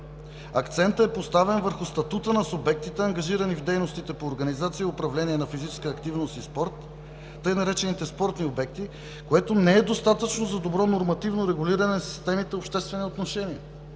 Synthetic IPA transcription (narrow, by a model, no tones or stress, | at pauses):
ɐkt̪sɛnt̪ɛpost̪avɛnvəɾxʊst̪ɐt̪ut̪ənɐsʊbɛk̚t̪it̪ɛɐŋɡɐʒiɾənivd̪ɛjnost̪it̪ɛpoːɾɡɐnizat̪siəʊpɾɐvlɛniɛnɐfizit͡ʃɛ̥skəːkt̪ivnost̪ispɔɾt̪ː | ɤjnɐɾɛt͡ʃɛnit̪ɛspɔɾt̪niobɛk̚t̪i | koɛt̪onɛɛd̪ost̪at̪ət͡ʃnozɐd̪obɾɔnoɾmɐt̪ivnoɾɛɡʊliɾɐnɛsi̥st̪ɛmit̪ɛopʃt̪ɛst̪vɛniot̪noʃɛniɛ